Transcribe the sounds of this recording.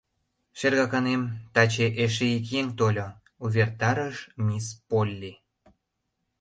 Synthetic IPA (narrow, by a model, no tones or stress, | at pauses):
ʃerɣɑkɑnemt̪ɑt͡ɕeʔeʃ̬eikjeŋt̪olʲo | uβert̪ɑɾəʃmʲispolʲːi